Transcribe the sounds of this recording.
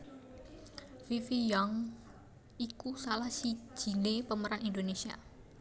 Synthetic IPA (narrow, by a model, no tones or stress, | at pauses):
fifijaŋ | ikusalahsi̥d͡ʒ̥i̤lepəməɾanindonesia̰